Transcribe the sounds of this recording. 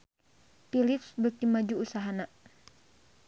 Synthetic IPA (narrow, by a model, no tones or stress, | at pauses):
pilipsbək̚t̪imad͡ʒuːsaɦana